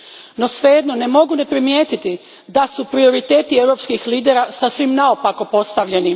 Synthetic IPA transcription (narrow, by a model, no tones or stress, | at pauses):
no̞sʋe̞jed̪no̞ne̞mo̞ɡune̞pɾimjeːt̪it̪i | d̪asupɾio̞ɾit̪e̞ːt̪ieʋɾo̞pskixliːd̪eɾasasʋimnaopakopo̞st̪aʋʎenim